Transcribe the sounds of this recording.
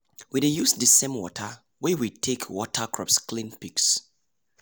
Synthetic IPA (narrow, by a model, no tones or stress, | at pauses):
widejusdisẽmwɔ̰tʰə | wɛwitʰekʰwɔtʰəkʰɹɔ̰psklĩnpiks